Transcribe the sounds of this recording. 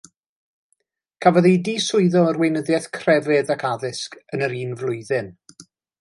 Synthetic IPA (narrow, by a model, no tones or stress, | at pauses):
kʰavɔðidiːsʊɨðɔərwejnəðjɛθkʰr̥ɛvɛðakʰaðɪskənəɾiːnvlˠʊɨðɪn